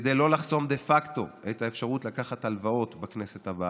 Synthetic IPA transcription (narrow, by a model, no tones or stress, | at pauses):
d̪ejlo̞laχso̞md̪e̞fakt̪o̞̰ʔet̪aefʃaʁutlakaχat̪alvao̞t̪bakne̞set̪haba